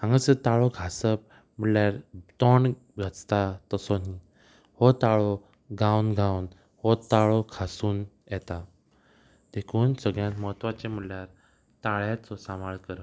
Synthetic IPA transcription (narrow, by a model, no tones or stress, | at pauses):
ãŋɡəsət̪aɭɔɡʰʱasəp̚ | m̤əʈljaɾt̪ɔɳ | ɡʱat͡st̪at̪əsoni | hɔt̪aɭɔ | ɡãwnɡʱãwn | hɔt̪aɭɔkʰasuːn | jɛt̪a | d̪ekʰuːnsəɡɭjãnt̪məɦət̪ʋat͡ɕem̤əʈljaɾ | t̪aɭjat͡sɔsamaɭkəɾə